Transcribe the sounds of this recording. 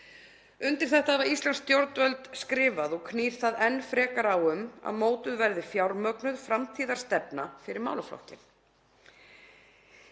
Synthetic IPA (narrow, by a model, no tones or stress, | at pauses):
ʏnt̪ɪɾ̥θɛht̪avaɾist̪lanst̪jowɾt̪vœlt̪skɾɪːvaðɔɣkʰniːɾ̥θaðɛnːfɾɛːkaɾawʏma̰ðmoːwt̪ʏðvɛɾðɪfjawɾmœknʏðfɾamt̪ʰiːðaɾst̪ɛpnafɪɾɪɾma̰ːwlʏflɔ̰hcɪn